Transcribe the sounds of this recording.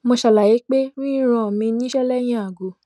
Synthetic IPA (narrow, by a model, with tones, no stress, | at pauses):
mo˧ʃa˧˨la˨je˨˦k͡pe˦nĩ˦i˦ɾ̃ɔ̃˧˨mĩ˧nĩ˦ʃɛ˦lɛ˦j̃ĩ˦a˨ɡo˨˦